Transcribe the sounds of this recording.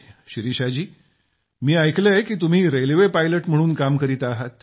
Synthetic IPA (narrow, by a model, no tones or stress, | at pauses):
ɕiɾiɕad͡ʑiː | miːajkləjkiːt̪um̤iːɾelʋepajləʈm̤əɽ̃uːnkamkəɾit̪aːɦat̪̚